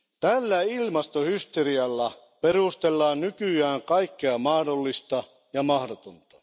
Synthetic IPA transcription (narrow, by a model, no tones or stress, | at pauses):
t̪ælːæilmɑst̪ohyst̪eriɑlːɑ | perust̪elːɑːnnykyæːŋkɑikːeɑmɑhdolːist̪ɑ | jɑmɑhdot̪ont̪ɑ̥